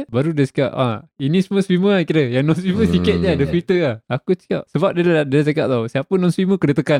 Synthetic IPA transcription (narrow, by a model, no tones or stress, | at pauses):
baɾudəsi̥kaʔa̰inisuməswiməakiɾəjaŋnɔnsiməsikət̪̚d͡ʒadəfit̪əahakut͡ʃia̰ʔ̚səbap̚diladalat͡ʃaka̰ʔ̚t̪awsiapənɔnswiməkədət̪əka